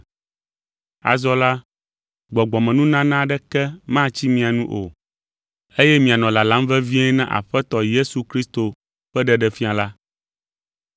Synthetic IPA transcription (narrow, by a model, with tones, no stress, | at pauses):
a̰˨zɔ˦la˦ | ɡ͡bɔ˨ɡ͡bɔ˨mɛ̃˨nũ˦nã˦nã˦ɖɛ˦kɛ˦mã˦t͡ɕi˦mĩ˨a˨nũ˦ʔo̰˨ | e˦jɛ˦mĩ˨a˨nɔ̃˨la˨la˦mvɛ˦vi˦ẽ˦nã̰˦ʔa̰˨ɸɛ˦t̪ɔ˨je˦su˨kɾi˦st̪o˨ | ɸɛ˦ɖɛ˦˨ɖɛ˨fi˦a˨la˦